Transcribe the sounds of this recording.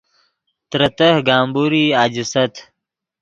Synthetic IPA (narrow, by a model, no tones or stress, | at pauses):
t̪ɾɐt̪ɐhɡaːmbuːɾiːad͡ʑisɐt̪